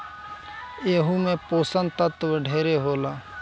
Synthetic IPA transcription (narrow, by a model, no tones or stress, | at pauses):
eːɦumẽpoːsənt̪ət̪ʋəɖʱeːɾeɦoːlaː